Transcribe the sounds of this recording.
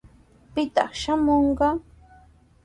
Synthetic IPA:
pɪt̪ɑ̰χʃamoɴɢɑ

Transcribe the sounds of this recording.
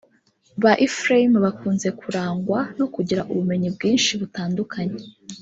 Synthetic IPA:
βaʔifɾaimβakuːnze̞kʰuɾaːŋɡwanokuɟiɾaʔuβume̞ɲibɡiːnʃiβutaːndukʰaɲe

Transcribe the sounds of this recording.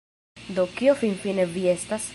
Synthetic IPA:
d̪o̞kiofinfine̞vie̞st̪as

